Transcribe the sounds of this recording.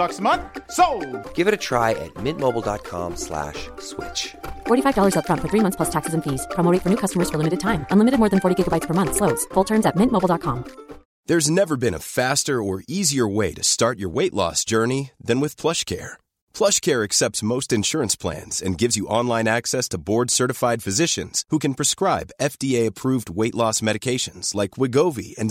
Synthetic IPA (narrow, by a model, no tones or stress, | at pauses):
ʌksmʌ̃nsoʊɡ̥ɪvɨɾɨtʰɹ̥aɪʔɨ̰t̚mɪ̃nmoʊbl̩ˠdɑt̚kʰɑ̰̃mslæ̰ʃswɪ̰t͡ʃfɔɹɾifaɪvdɔlˠə˞zətfɹʌ̃ntfə˞θɹimʌ̃θspʰʌstʰæksəzɨ̃ɱfiz̥pʰɹ̥ɑmoʊɾetfə˞nʉukʰʌstəmə˞z̥fə˞lɪ̃mɨɾɨd̚tʰãɪ̃mʔə̃nlɪ̃mɨɾɨd̚mɔɹðɨ̃nfɔɹɾiɡɪɡəbaɪtspʰə˞mʌ̃nθsloʊdz̥fʊlˠtʰɜ̃˞nzɨt̚mɪ̃nʔmoʊbl̩ˠdɑt̚kʰɑ̃m | ðə˞znɛvə˞bɨ̃nə̰fæstə˞ə˞iziə˞weɪɾɨstɑɹt͡ʃə̰˞weɪʔlɔ̰sd̥ʒ̥ɜ˞niðɨ̃nwɨð̥pʰl̥ʌʃkʰɛ̰ɹ | pʰl̥ʌʃkʰɛɹɨksɛp̚tsmoʊstɨ̃nʃʊɹɨ̃nspʰl̥æ̰̃nz̥ɨ̰̃nɡɪvzjɨʔɑ̃nlˠãɪ̃næksɛstʰəbɔɹd̥sɜ˞ɾɨfaɪd̥fɨzɪʃɨ̰̃nz̥hukɨ̃npʰɹ̥ɨskɹaɪbɛfd̥ieɪɨpʰɹ̥uvd̚weɪʔˡlɔsmɛɾɨkʰeɪʃɨ̃nz̥laɪkʰwɪɡoʊvḭɨ̃n